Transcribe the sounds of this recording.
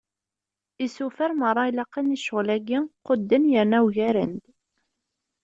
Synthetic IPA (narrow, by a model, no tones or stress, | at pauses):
isufəɾmərˤːɑjlɑqːəniʃəʁlæɡiqʊd̪ːənjəɾnæwʝæɾənd̪